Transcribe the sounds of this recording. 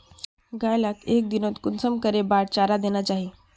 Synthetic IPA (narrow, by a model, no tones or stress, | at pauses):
ɡajlakek̚d̪inot̪kunsəmkəɾebaɽt͡ɕaɾad̪eñat͡ɕaɦi